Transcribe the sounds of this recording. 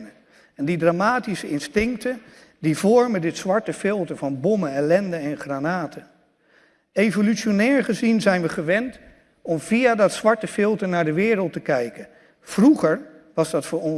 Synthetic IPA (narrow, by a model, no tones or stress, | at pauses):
nə | ɛndidraːmaːtisəɪnstɪŋktən | divɔɹmədɪtsʋɑɹtəfɪlˠtəɹvɑnbɔmənɛlɛndənɛnχranaːtʰə | ejvolyʃonɛːɹχəzinzɛjnʋəχəʋɛnt | ɔmviadɑtsʋɑɹtəfɪlˠtəɹnaːɹdəʋɪːɾəlˠtəkɛjkən | v̥ruχəɹʋɑzdɑtfʊːɔ